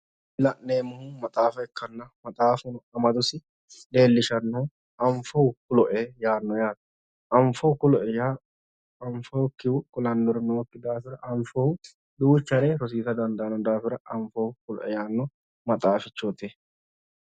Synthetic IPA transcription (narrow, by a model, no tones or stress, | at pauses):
ɪlɐʔneːmʊhʊmɐt̪ʼaːfɐɛkːɐnːɐmɐt̪ʼaːfʊnɔɐmɐd̪ʊsɪ | d̪e̞ːlːɪʃɐnːɔ | ɐɱfɔwʊkʊlɔʔɛjaːnːɔjaːt̪ɐ̥ | ʔɐɱfɔwʊkʊlɔʔɛja | ɐɱfɔwkːɪwʊkʊlɐnːɔɾɪnɔkːɪd̪aːfɪɾɐʔɐɱfɔhʊ | d̪uːt͡ʃːɐɾeɾɔs̬iːt̪ɐd̪ɐnd̪ɐʔɐnɔd̪aːfɪɾɐʔɐɱfɔʊkʊlɔ̰ʔɛjaːnːɔ | mɐt̪ʼaːfɪt͡ʃːoːt̪eː